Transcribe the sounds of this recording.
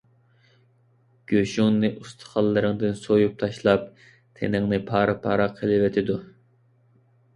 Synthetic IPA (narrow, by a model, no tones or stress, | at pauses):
ɡ̥ʲøʃuŋnɨʔust̪ʰə̥χɑlˠːɨɾɨŋd̪ɨnsojup̚t̪ʰɑʃlˠɑp̚ | t̪ʰḛnɪŋnɨpʰɑːɾɑpʰɑːɾɑqʰəlˠɪvɛt̪ʰɪd̪u